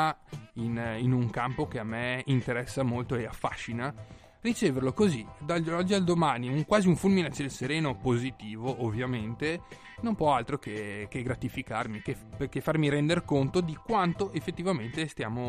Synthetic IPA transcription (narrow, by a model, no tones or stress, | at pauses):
ininuŋkampokeamːeint̪eɾɛsːamolt̪oeafːaʃːina | rit͡ʃeːverlokozid̪aɔd͡ʒːiald̪omaːniuŋkwaːziuɱfulminat͡ʃed̪elseɾeːnopozit̪iːvoʔovːjament̪e | nompwɔalt̪ɾokek̟eɡɾat̪ifikarmike | pekefːarmiɾɛnd̪erkont̪od̪ikwant̪oʔefːet̪ːivament̪est̪jaːmo